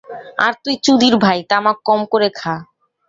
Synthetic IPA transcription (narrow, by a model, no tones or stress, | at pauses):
a̰ɾt̪ujt͡ɕud̪iɾbʱajt̪amakːɔmkoɾekʰa